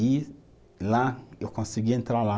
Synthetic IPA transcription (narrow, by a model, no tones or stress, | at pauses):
i | laewkõsiɡiẽnt̪ɾaɾla